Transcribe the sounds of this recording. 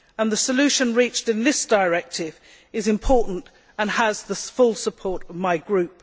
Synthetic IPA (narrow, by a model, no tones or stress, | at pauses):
ə̃nðəsəlʉˑʃə̃nɹiˑt͡ʃtɨ̃nðɪsd̥əɹɛk̚tʰɪv | ɪzɨ̃mpʰɔˑʔn̩t | ə̃nəzðəfʊlˠsəpʰɔɹɾəvmaɪɡɹʉˑp̚